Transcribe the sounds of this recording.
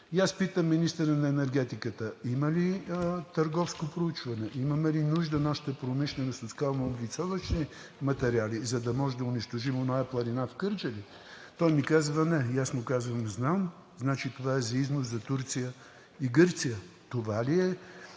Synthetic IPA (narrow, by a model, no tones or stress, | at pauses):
jaspit̪əmːinist̪əɾənɐɛnɛɾɡɛt̪ikət̪əiməlit̪ɐɾɡɔfskopɾout͡ʃvɐnɛʔimɐmɛlinuʒd̪ənaʃi̥t̪əpɾomiʃlʲɛnɐsot̪skalˠmoblit̪sɔvəʃni | mɐt̪ɛɾializɐd̪ɐmɔʒɛd̪ɐʊniʃt̪oʒimonajəplˠɐɾinafkɤɾt͡ʃəli | t̪ɔjmikazvənɛjasnʊkazvəmznam | znat͡ʃit̪ovaɛzɐiznoszɐt̪uɾt̪sijə | iɡɤɾt̪sijət̪ovaliɛ